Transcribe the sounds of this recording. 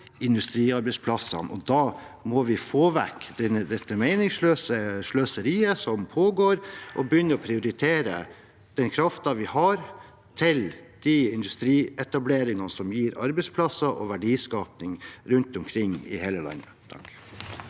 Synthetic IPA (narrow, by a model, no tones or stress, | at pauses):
ɪnd̪ʉst̪ɾiːɑɾbɛɪspʰlɑsɑ̰nʔɔ̰d̪ɑːmɔʋɪfoːʋækːd̪ɛnəd̪ɛt̪ːəmeɪnɪŋsløːsəʂløːsəɾiːəsɔmpʰoːɡoːɾʔɔbəjʏnːəɔpʰɾɪʊɾɪt̪ʰeːɾə̰ | d̪̥ɛnkʰɾɑft̪ɑʋɪhɑɾ | t̪ʰɪld̪̥iɪnd̪ʉst̪ɾiːɛt̪ɑbleːɾɪŋɑnəsɔmjiːɾɑɾbɛɪspʰlɑsɑʔɔ̰ʋæɖiːskɑːpnɪŋɾʉnt̪ɔmkʰɾɪŋːɪ̰hɛləlɑ̰nət̪ʰɑ̰k